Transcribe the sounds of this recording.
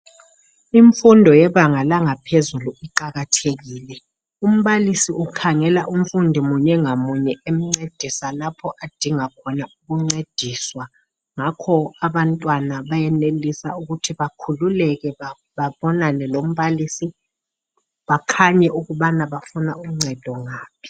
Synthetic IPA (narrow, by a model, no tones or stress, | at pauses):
iɱfundʱɔjɛɓaŋalaŋapʰezuluiǃaɣatʰeɣ̬iːlɛ | um̩ɓalisiukʰaŋɛlaʔum̩fundʱimuɲɛŋamuɲɛem̩ŋ͡ǀed̥ʱisalapʰɔʔad̥ʱiŋakʰɔnauk̬uŋ͡ǀed̥ʱiːswa | ŋakʰɔaɓantʼwanaɓajɛnelisauɣutʰiβakʰululɛkɛ | ɓaɓɔnanɛlom̩βalisi | ɓakʰaɲɛʔuɣuɓanaβafunauŋ͡ǀʱɛd̥ʱɔŋaːpʰi̥